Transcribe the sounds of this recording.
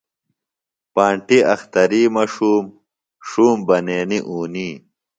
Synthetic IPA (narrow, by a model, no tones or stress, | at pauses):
paːɳʈiɐxt̪ɐɾiːmaːʂuːm | ʂuːmbɐneːniʔuːniː